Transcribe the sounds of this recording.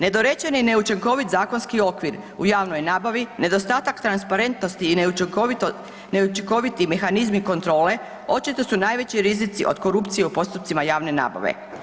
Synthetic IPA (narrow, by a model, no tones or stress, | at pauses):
ne̞d̪o̞ɾet͡ɕe̞nine̞ut͡ʃiŋko̞ʋit̪zaːko̞nskio̞kʋiɾ | ṵjaːʋno̞jnaːbaʋine̞d̪o̞st̪aːt̪akt̪ɾanspaɾe̞nt̪no̞st̪iːnu | neut͡ʃiŋko̞ʋit̪ime̞xanizmiko̞nt̪ɾo̞ːle̞ | o̞t͡ʃit̪o̞sunaːjʋe̞t͡ɕiɾizit̪iʔo̞̰d̪̥ko̞ɾupt̪sije̞upo̞st̪upt̪simajaːʋne̞na̰ːba̰ʋḛ